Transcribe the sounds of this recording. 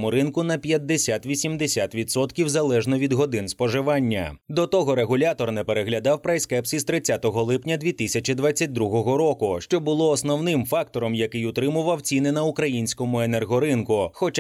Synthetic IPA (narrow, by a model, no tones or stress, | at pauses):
mʊɾɪnkʊnɐpʲjɐd̪ːesʲat̪ʋʲisʲimd̪esʲat̪ʋʲit̪sɔt̪kʲiwzɐlˠɛʒnɔʋʲid̪ɦɔd̪ɪnspɔʒɪʋɑnʲːɐ̰d̪ɔt̪ɔɦɔɾeɦʊlʲat̪ɔrnɛpeɾeɦlʲɐd̪ɑwpɾɐjskɛpsʲist̪ɾɪt͡sʲːat̪ɔɦɔlˠɪpnʲɐd̪ʲʋʲit̪ɪsʲɐt͡ʃʲid̪ʋat͡sʲːɐt̚ʲd̪ɾuɦɔɦɔɾɔkʊʃt͡ʃɔbʊlˠɔːsnɔwnɪmfɑkt̪ɔɾɔmjɐkɪjʊt̪ɾɪmʊʋɐwt͡sʲinɪnɐʊkɾɐjinʲsʲkɔmʊenɛrɦɔɾɪnkʊxɔt͡ʃ